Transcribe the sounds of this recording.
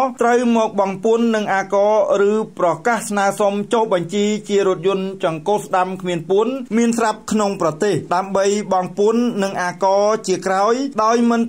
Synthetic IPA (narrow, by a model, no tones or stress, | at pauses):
t̪rəwmɔːk̚ɓɑŋpuənːɨŋʔaːkɑːrɨːprɑkahsnaəsomt͡ɕohɓɑɲt͡ɕiːt͡ɕiəɾʊ̆ət̪̚jʊ̆ənt͡ɕɑŋkoːsɗamkʰmiənpuənmiənsrap̚kʰnoŋprɑt̪eːhɗaəmɓəjɓɑŋpuənːɨŋʔaːkɑːt͡ɕiəkraɔjɗaɔjmɨn